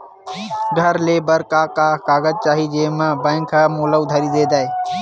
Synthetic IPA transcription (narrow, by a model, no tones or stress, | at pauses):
ɡʱəɾleːbəɾkaːkaːkaːɡəd͡ʒt͡ʃaːɦid͡ʒeːmãbãːŋkʰaːmoːləʊd̪ʱaːɾid̪eːd̪aːɦeː